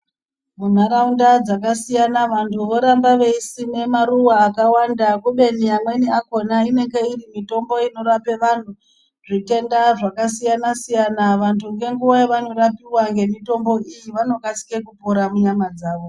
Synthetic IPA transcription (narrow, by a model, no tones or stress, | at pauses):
mun̤aɾaundad͡zakasijanaʋantʰuʋo̞ɾambaʋe̞isine̞maɾuwaːkawandakuɓe̞nijamwe̞niako̞naine̞ŋɡeirimito̞mbo̞ino̞ɾape̞ʋan̤u | ʐite̞ndaʐakasijanasijanaʋantʰuŋɡe̞ŋɡuʋajeʋano̞rapiwaŋɡe̞mito̞mbo̞ijiʋano̞kat͡si̥ke̞kupoɾamuɲamad͡zaːʋo̞